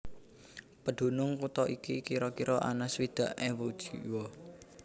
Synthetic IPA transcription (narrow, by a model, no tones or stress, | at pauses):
pəɖ̪̥o̤nʊŋkut̪ɔikikiɾɔkiɾʔɔʔa̰naswid̪̥ä̤ʔewud̥ʒ̥iwɔ